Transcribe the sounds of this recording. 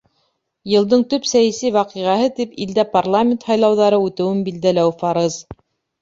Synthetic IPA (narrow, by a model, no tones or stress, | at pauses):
jɤ̆lˠd̪ɤɴt̪ɵpsæjæsijwɑqiʁæhɤt̪ipild̪æparlˠamʲɪnt̪hɑjlˠɑwðɑɾɤʉt̪ɘ̆wɘmbild̪ælæwfɑɾɤz